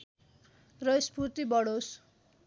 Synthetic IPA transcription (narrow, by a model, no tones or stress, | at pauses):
rʌjspurt̪ibʌɽos